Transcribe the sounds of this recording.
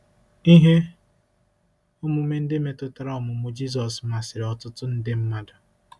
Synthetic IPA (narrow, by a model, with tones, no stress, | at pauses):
i˦ɦe˦ | ʊ˦mʊ˨˦me˦n̩˦dɪ˦me˨tʊ˦ta˦ɾɔ˨mʊ˨mʊ˦d͡ʒi˦z̬ɔ˨sma˨sɪ˨ɾe˨ɔ˨tʊ˦tʊ˦n̩˦dɪ˦m̩˦ma˦dʊ˨